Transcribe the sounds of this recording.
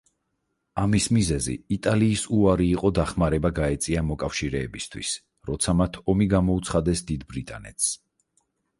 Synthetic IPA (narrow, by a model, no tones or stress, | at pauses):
amismizɛzḭːt̪ʼaliːsuaɾiːqʼɔd̪aχmaɾɛbaɡaɛt̪sʼiamɔkʼafʃiɾɛːbist̪ʰwḭs | ɾɔt̪sʰamat̪ʰɔmiɡamɔut̪sʰχad̪ɛsd̪id̪bɾit̪ʼa̰nɛ̰t̪ʰs